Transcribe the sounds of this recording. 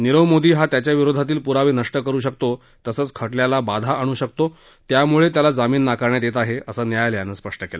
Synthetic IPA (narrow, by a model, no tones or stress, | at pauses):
niɾəʋmod̪ʱiːɦat̪jat͡ɕjaʋiɾod̪ʱat̪̬iːlpuɾaʋiːnəʂʈəkəɾuːɕək̚t̪o | t̪əsəːt͡skʰəʈljalabad̪ʱaʔəɽ̃uːɕək̚t̪o | t̪jamuɭet̪jalad͡zamiːnːakəɾɳjad̪et̪aɦeʔəsəːnjajljanəːspəʂʈəkela